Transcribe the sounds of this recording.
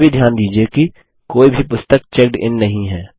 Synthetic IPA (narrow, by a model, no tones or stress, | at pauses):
bʱid̪ʱjaːnd̪iːd͡ʒieki | koːibʱipʊst̪ək̚t͡ʃɛkɖɪ̰nːɐɦĩɦɛː